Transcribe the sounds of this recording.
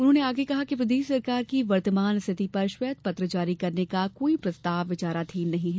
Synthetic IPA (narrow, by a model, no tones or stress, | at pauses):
ʊnɦõːneaːɡekɐɦakiʋɾɪd̪eːʃsɐɾkaːɾkiʋɐɾt̪əmaːnst̪ʰɪt̪ipɐɾʃwɛːt̪̚pɐt̪ɾəd͡ʒaːɾikɐɾnekakoːipɾɐst̪aːʋʋɪt͡ʃaːɾat̪ʰiːnnɐɦĩɦɛː